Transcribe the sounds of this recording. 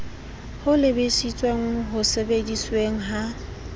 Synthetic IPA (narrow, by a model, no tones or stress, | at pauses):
hʊlɪbɪsit͡sʼweŋ̩ɦʊsebedisweŋ̩ɦa